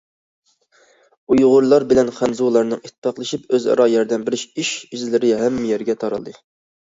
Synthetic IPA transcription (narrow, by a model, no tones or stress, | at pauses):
ujʁʊɾlˠɑɾbɪlɛnχænzulˠɑɾnɨŋit̪̚ʰːɪ̥pʰæχlˠɨʃipøzɑ̰ɾɑjɛɾd̪ɛnbɪɾɪʃiʃizlɪɾɪɦɛmːɪjɛɾɡʲɛt̪ʰɑɾɑ̰lˠd̪ɨ